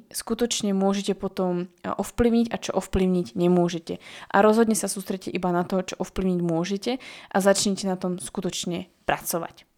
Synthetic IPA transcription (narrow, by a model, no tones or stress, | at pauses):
skut̪ɔt͡ʃɲɛmʊɔʒɛcɛpɔt̪ɔmɔfpliʊɲiɟat͡ʃɔ̰ʔɔfpliʊɲiɟɲɛmʊɔʒɛcɛʔa̰ɾɔzɦɔd̪ɲɛsasuːst̪ɾɛccːɛʔibanat̪ɔt͡ʃɔʔɔfpliʊɲiɟmʊɔʒɛcɛʔazat͡ʃɲɛcɛnat̪ɔmskut̪ɔt͡ʃɲɛ | pɾat͡sɔʋa̰c